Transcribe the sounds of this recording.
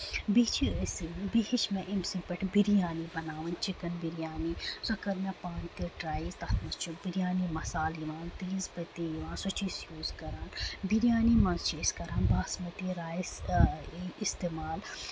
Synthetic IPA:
bit͡ʃʰiəsibiɦit͡ʃʰmẽʔimsĩpɐʈʰbiɾijaːnibɐnaːʋɐnt͡ʃikɐnbiɾijaːnisɐkɐɾmɐpaːnt̪iʈɾaːjizt̪ɐt̪ʰmɐst͡ʃũbiɾijaːnimɐsaːljiʋãːnt̪iːzbɐt̪iːjiʋãːnsɐt͡ʃisjuːzkɐɾaːnbiɾijaːnimɐ̃nzt͡ʃiːskɐɾaːnbaːsmɐt̪iɾaːjs | ist̪eːmaːl

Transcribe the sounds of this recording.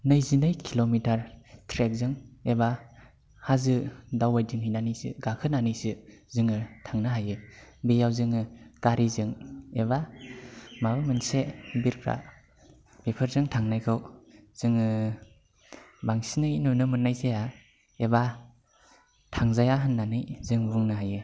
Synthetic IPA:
nɯjzinɯjkʰilomitaɾtʰɾek̚zɯŋeba | hazɯdawajdɯŋhijnanɯjsɯ̰ɡakʰɯnanɯjsɯzɯŋɯtʰaŋnɯɦajɯbejawzɯŋɯkaɾizɯŋeba | mabɯmɯnsebiɾkʰɾa̰ | b̥epʰɯɾzɯŋtʰaŋnajkʰɯwz̥ɯŋɯ | baŋsinɯjnunɯmɯnajzea | eba | tʰaŋzajaɦɯnːanɯjzɯŋbuŋnaɦajɯ

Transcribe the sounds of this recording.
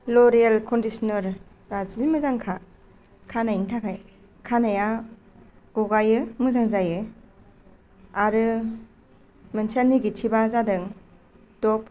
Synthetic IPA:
lɔɾijalkʰɔndisnɔɾː | azimɯzaŋkʰa | kʰanajntʰakʰaj | kʰanaja | ɡ̥ɔɡajɯmɯzaŋzajɯ | aɾɯ | mɯnsanːiɡitʰibazadɯŋ | dɔp̚

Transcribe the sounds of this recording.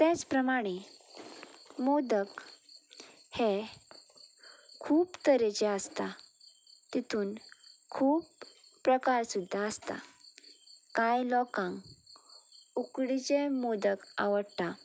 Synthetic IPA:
t̪ɛt͡spɾəmaɽ̃e | mod̪ək | he | kʰuːpt̪əɾet͡ɕeəst̪a | t̪it̪ʰuːnkʰuːpː | ɾəkaɾsud̪ʱːaəst̪a̰ | kajlɔkãŋk | ukɽit͡ɕemod̪əka̰ʋəɽt̪a

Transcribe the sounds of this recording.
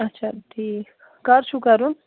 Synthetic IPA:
ɐtːʃʰat̪i | kɐɾt͡ʃʰukɐɾun

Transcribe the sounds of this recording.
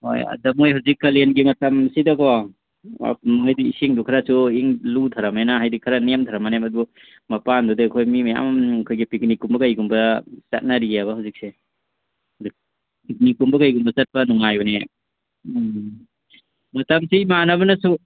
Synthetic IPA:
ho̰jɐ̰dɐmojhawzikːɐlenɡimɐtɐmsidako | a̰pmŋajdiisiŋdukʰaɾasuiŋlut̪ʰaɾamenaɦajdikʰaɾanemtʰaɾamanemɐdubɔ | mɐpandudikʰojmimaja̰mkʰojɡipik̚nikumbɐkajɡumbɐsa̰t̚naɾijaβɐhawzik̚se | zik̚ | pik̚nikumbɐkajɡumbɐsɐt̚pɐnuŋajɔne | mɐtɐmsiimanabɐnɐsu

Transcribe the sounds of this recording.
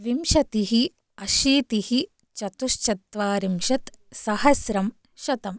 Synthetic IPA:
ʋimʃɐt̪iɦi | ɐʃiːt̪ihi | t͡ʃɐt̪uʃt͡ʃɐt̪ʋaːɾimʃɐt̪sɐhɐsɾɐm | ʃɐt̪ɐm

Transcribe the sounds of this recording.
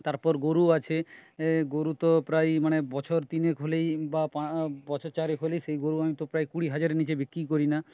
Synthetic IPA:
t̪aɾpɔɾɡoɾuat͡ɕʰeɡoɾut̪opɾajmanebɔt͡ɕʰoɾt̪inekʰolejbapabɔt͡ɕʰoɾt͡ɕaɾekʰolejʃejɡoɾuamit̪opɾajkuɽiɦad͡ʑaɾenit͡ɕebekɾikoɾina

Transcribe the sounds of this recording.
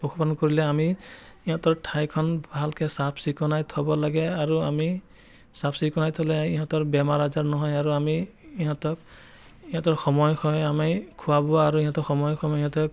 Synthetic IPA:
pɔkʰɔpaɔnkoɹilɛamiiɦɔ̃tɔɹtʰajkʰɔnbʱalkʰɛsapʰsikɔnajtʰɔbɔlaɡɛaɹuami | sapʰsikɔnajtʰɔlɛiɦɔ̃tɔɹbɛmaɹazaɹnɔɦɔjaɹuamiː | ɦɔ̃tɔk̚ | iɦɔ̃tɔɹxɔmɔjxʰɔjamakʰuwabɔaɹuiɦɔ̃tɔxɔmɔjkʰɔmɔjɦɔ̃tɔk̚

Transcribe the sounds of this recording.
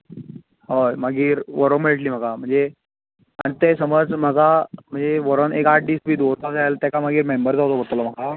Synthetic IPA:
ɦojmaɡiːɾʋəɾomeɭʈliːm̤aɡam̤əɳd͡ze | ã̰it̪esəməd͡zm̤əɡam̤əɳd͡zeʋəɾonekaʈ̚ɖiːsbʱiːd̪oɾt̪asajlt̪jakam̤aɡiːɾmembəɾt͡saɦot̪obəɽt̪əlɔm̤aka

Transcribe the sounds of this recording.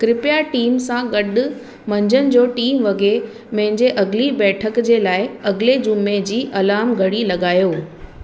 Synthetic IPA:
kɾɪpɪjaʈiːmsãɡɐɗʊ | mɐ̃ɲd͡ʑənɪ̆d͡ʑoːʈiːmʋɐɡʱe | mɐ̃ɦɪ̃ɲd͡ʑeʔɐɡɪlibɛːʈʰəkd͡ʑeːlaːɪɐɡɪled͡ʑʊmːed͡ʑiːʔɐlaːmɡʱɐɽilɐɠaːjoː

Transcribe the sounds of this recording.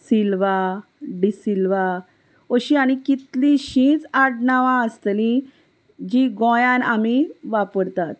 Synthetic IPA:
silʋa | ɖisilʋa | əɕiaɽ̃ikit̪lĩɕĩːt͡saɽnaʋãəst̪lĩ | d͡ʑiɡɔ̃jãnamiʋapəɾt̪at̪̚

